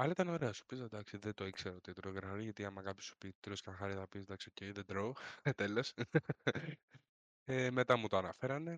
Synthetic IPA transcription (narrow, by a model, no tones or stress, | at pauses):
ɐlɐit̪ɐno̞ɾeɐsu̥pized̪ɐksiðet̪oikseɾɐot̪id̪ɾoɣɾɐɐɾiʝɐt̪iɐmɐkɐpço̥su̥pid̪ɾoskɐnxɐɾiθɐpisd̪ɐksiocejðed̪ɾot̪elos | emet̪ɐmut̪oɐnɐfeɾɐne̞